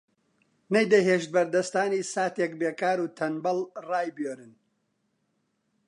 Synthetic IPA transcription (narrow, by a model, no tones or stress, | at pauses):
nɐjd̪ɐɦeːʃt̪̚bɐɾd̪ɐst̪aːniːsaːt̪ekbeːkaːɾuːt̪ʰɐnbɐlraːjbjoːɾɨn